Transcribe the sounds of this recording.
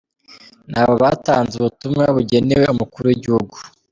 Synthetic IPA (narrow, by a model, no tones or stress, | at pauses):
nhaːβo̞βaːtaːnzuβutumŋaβuɟe̞newe̞umukuɾuiɟihuɡu